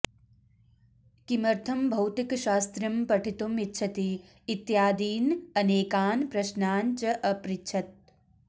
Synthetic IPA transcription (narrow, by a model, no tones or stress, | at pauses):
kimɐɾt̪ʰɐmbʱɐwt̪ikʃaːst̪ɾɐmpɐʈʰit̪umitːʃʰɐt̪iː | t̪jaːd̪iːnɐneːkaːnpɾɐʃnaːnt͡ʃɐʔɐpɾitːt͡ʃʰɐt̪̚